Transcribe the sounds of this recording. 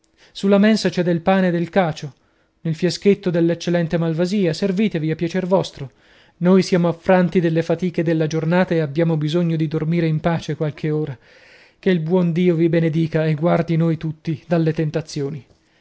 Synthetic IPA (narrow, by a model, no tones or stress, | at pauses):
sulːamensat͡ʃɛd̪ːelpaːned̪elkaːt͡ʃo | nelfjasket̪ːod̪elːet͡ʃːelɛnt̪emalvaziːaserviːt̪eviapːjat͡ʃervɔst̪ɾo | nojsjaːmoafːɾant̪id̪elːefat̪iːked̪elːad͡ʒornaːt̪aeabːjaːmobizoɲːod̪id̪ormiːɾeimpaːt͡ʃekwalkʰeoːɾa | keilbwɔnd̪iːovibened̪iːkaeɡward̪inojt̪ut̪ːid̪alːet̪ent̪at̪sːjoːni